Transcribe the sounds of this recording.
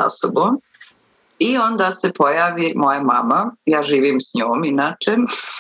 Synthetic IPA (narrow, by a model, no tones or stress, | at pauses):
a̰soboːm | io̞nd̪aːsepo̞jaːʋimo̞jama̰majaːʒiːʋimsɲoːminaːt͡ʃe